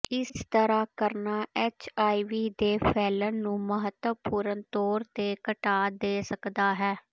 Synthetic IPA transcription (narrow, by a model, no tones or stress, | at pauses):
ɪst̪əɾaːkəɾnaːʔɛːt͡ʃaːiʋiːd̪eːpʰɛːlənːũːməɦət̪wəpuːɾənt̪oːɾt̪eːkəʈaːd̪eːsəkd̪aːɦɛː